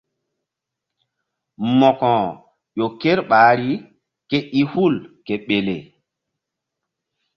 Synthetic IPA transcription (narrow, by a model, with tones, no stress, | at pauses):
mɔ˨kɔ̃˨ | jo˨ke˦ɾɓaː˨˦ɾi˦ | ke˦ʔi˦hu˦˨lke˨ɓe˨lḛ˨